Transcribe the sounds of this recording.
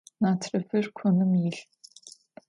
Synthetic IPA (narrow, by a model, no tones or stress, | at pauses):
naːtʰrɨfɨrkʷʰɔnɨmjɪɬ